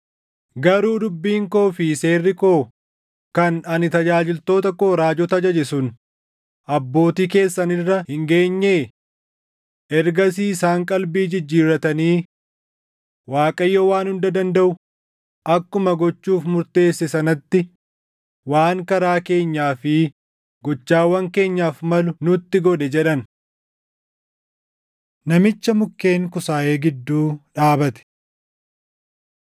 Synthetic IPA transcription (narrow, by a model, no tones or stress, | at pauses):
ɡɐɾuːd̪ʊbːiːŋko̞ːfɪse̞ːrːɪko̞ː | kɐnɐnɪt̪ɐd͡ʒaːd͡ʒɪlt̪o̞ːt̪ɐko̞ːɾaːd͡ʒɔt̪ɐd͡ʒɐd͡ʒɛsʊn | ʔɐbːo̞ːt̪iːke̞ːsːɐnɪrːɐhɪŋɡe̞ːɲːeː | ʔɛɾɡɐs̬iːɪsaːŋkʼɐlbiːd͡ʒɪd͡ʒːiːɾɐt̪ɐniː | waːkʼɐjːowaːnhʊnd̪ɐd̪ɐnd̪ɐʔʊ | ʔɐkːʊmɐɡɔt͡ʃːuːfmʊɾt̪e̞ːsːɛsɐnɐt̪ːɪ | waːŋkɐɾaːke̞ːɲːaːfɪ | ɡɔt͡ʃːaːwɐŋke̞ːɲːaːfmɐlʊnʊt̪ːɪɡɔᶑ̪ɛd͡ʒɛᶑɐn | nɐmɪt͡ʃːɐmʊkːe̞ːŋkʊsaːʔe̞ːɡɪd̪ːuːᶑaːbɐt̪ɛ̥